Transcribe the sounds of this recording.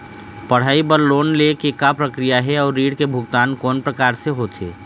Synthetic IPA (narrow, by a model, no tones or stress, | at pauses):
pəɽ̤aːibəɾloːnlekekapɾəkɾijaɦɛɔːɾːiːɽkebʱʊɡt̪aːnkɔːnpɾəkaːɾseɦot͡ʃʰḛː